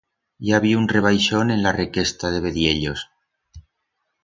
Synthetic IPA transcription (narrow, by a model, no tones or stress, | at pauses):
jaβiunre̞β̞ajʃo̞nẽ̞nlareke̞st̪aðe̞βe̞ðje̞ʎo̞s